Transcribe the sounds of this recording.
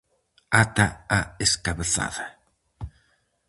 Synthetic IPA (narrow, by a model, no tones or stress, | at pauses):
at̪aaeskaβeθa̰ða